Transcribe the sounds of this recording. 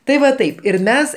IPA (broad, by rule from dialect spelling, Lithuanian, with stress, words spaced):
tɐɪ ˈʋɐ ˈtɐɪp ɪr ˈmʲɛs